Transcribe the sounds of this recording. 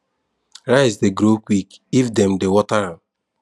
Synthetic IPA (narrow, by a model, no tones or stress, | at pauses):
ɾaɪsdeɡɾokʷwikifdɛmdewɔtaɾam